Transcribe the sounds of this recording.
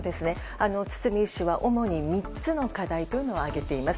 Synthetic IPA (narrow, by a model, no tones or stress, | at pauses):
d̪e̞sɨne̞ | ano̞t͡sɨ̥t͡sɨmʲiɕiβaʔo̞mo̞ɲ̟imʲi | t͡sɨno̞kad̪ait̪ojɯ̟no̞oaɡe̞t̪e̞imas